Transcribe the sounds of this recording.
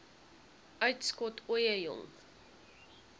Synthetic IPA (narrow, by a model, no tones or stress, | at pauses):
ʔœɥtskɔtʰuəjəjɔ̰ŋ